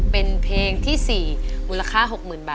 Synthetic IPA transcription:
pe˧npʰleː˧ŋt̪ʰiː˥˩siː˨˩muː˧la˧kʰaː˥˩ɦo˨˩k̚mɯː˨˩nbaː˨˩

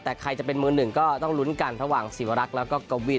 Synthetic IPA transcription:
t̪ɛː˨˩kʰa˧jt͡ɕa˨˩pe˧nmɯː˧nɯ˨˩ŋkɔː˥˩t̪ɔ˥˩ŋlu˦˥nka˧nɾa˧waː˨˩ŋsiː˨˩˦wa˧ɾa˦˥k̚lɛː˦˥wkɔː˥˩koː˧wi˨˩t̚

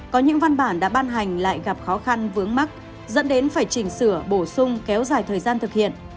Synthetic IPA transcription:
kɔ˨˦ɲɨ̰˧˥ŋva˧nɓaː˧˩nɗa̰ː˧˥ɓaː˧nɦa˨˩jŋ̟la̰ː˧˨jɣa˨˩p̚xɔ˨˦xa˧nvɨ˨˦əŋma˦˥k̚ | zə̰˧˥nɗe˨˦nfaː˧˩jt͡ɕï˨˩ŋ̟sɨ˧˩əɓo˧˩sʊ˧ŋ͡mkɛ˨˦wzaː˨˩jt̪ʰəː˨˩jzaː˧nt̪ʰɨ˨˩k̚hḭ˧˨ən

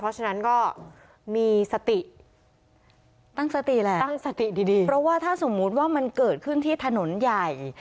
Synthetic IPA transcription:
pʰɾɔ˦˥t͡ɕʰa˧na˦˥nkɔː˥˩ | miː˧sa˧t̪i˨˩ | t̪a˥˩ŋsa˧t̪i˨˩lɛ˨˩˥ŋsa˧t̪i˨˩diː˧diː˧pʰɾɔ˦˥waː˥˩t̪ʰaː˥˩so˩˦mːu˦˥t̪̚waː˥˩ma˧nkɤː˨˩t̪̚kʰɯ˥˩nt̪ʰiː˥˩t̪ʰa˧no˩˦nja˨˩j

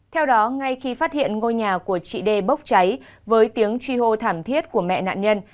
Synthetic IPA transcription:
t̪ʰɛ˧wɗɔ˨˦ŋa˧jxi˧faː˦˥t̚hḭ˧˨ənŋo˧jɲaː˨˩ku˧˩ət͡ɕḭ˧˨ɗe˧˩ɓə˦˥wk͡p̚t͡ɕa˨˦j | vəː˨˦jt̪i˨˦əŋt͡ɕwi˧ɦo˧t̪ʰaː˧˩mt̪ʰi˦˥ət̚ku˧˩əmɛ̰˧˨na̰ː˧˨nɲə˧n

